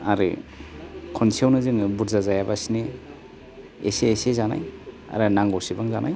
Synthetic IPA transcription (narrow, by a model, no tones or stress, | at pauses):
aɾɯ̰ | kʰɔnsʰiawnɯzɯŋbuɾzazajabasine | ḛseːsezana̰j | a̰ɾɯnaŋɡɔwsibaŋzanʔaj